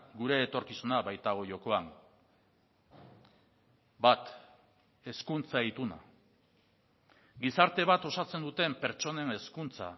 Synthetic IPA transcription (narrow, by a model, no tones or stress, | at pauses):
ɡuɾe̞ːt̪o̞ɾkisunaβajt̪aɣ̞o̞ʝo̞ko̞aŋ | bat̪ | e̞skunt͡sait̪una̰ | ɡisaɾt̪e̞β̞at̪o̞sat͡se̞nd̪ut̪e̞mpe̞ɾt͡ʃo̞ne̞ne̞skunt͡sa̰